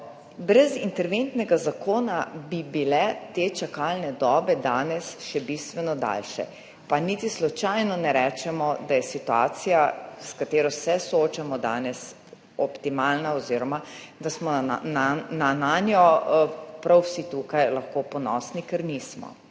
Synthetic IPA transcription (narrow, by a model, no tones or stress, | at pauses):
bɾɛzint̪ɛɾʋent̪nɛɡazakoːnabibilɛt̪eːt͡ʃakalnɛd̪ɔːbɛd̪aːnɛsʃɛbist̪ʋɛnɔd̪a̰lʃɛ̰ | panit̪islɔt͡ʃajnɔnɛɾɛt͡ʃɛmɔd̪ajɛsit̪ua̰ːt̪sijaskat̪eːɾɔsɛsɔoːt͡ʃamɔd̪a̰ːnɛs | ɔpt̪imaːlnaɔziːɾɔmad̪asmɔnanananjɔ | pɾawsit̪uːkajlaxkoːpɔnɔ̰ːsnikɛɾniːsmɔ̰